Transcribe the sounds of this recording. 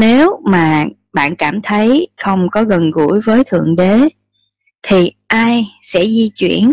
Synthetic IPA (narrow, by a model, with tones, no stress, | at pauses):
ne˨˦wmaː˨˩ | ɓa̰ː˧˨nkaː˧˩mt̪ʰə˨˦jxə˧wŋ͡mkɔ˨˦ɣə˨˩nɣṵ˧˥jvəː˨˦jt̪ʰɨ̰˧˨əŋɗe˨˦ | t̪ʰi˨˩ʔaː˧jsɛ̰˧˥zi˧t͡ɕwḭ˧˩˨ən